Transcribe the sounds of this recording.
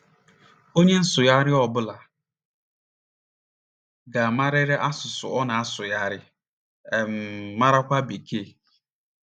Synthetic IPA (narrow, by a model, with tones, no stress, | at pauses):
o˦ɲe˦n̩˦sʊ˨ja˦ɾɪ˦ɔ˦bʊ˦la˨ | ɡa˨ma˦ɾɪ˦ɾe˦ʔa˦sʊ˨sʊ̰˨ɔ˦na˨a˦sʊ˨ja˦ɾɪ˦ | ɛ˨mː˨a˦ɾa˦kʷa˦be˨kʰe˦˨